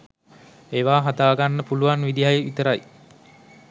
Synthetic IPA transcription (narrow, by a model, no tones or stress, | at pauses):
eːʋaːɦad̪aːɡanːəpuluʋanʋid̪ijajeʋit̪əɾaj